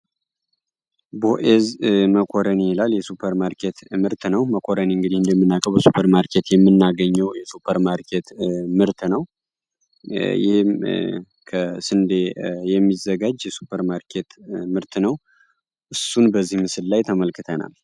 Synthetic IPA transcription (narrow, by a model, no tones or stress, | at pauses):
boʔezməkʰʼo̞ɾəniilaljɛsupʰəɾmaɾkʰe̞t̪mɨɾt̪nəwməkʼʰoɾəniɨŋɡɨd̪ihɨnd̪əmːɨnːakʼəwbəsupʰəɾmaɾkʰe̞t̪jɛmːɨnːaɡəɲːɛwjɛsupʰəɾmaɾkʰe̞t̪mɨɾt̪nəw | jɪ̰hm | kʰəsɨnd̪ejɛmːizəɡad͡ʒjɛsu̥pʰəɾmaɾkʰe̞t̪mɨɾt̪nəw | ʔɨsːunbəzːihmɨsɨlːajt̪ʰəməlkːɨt̪ʰəna̰l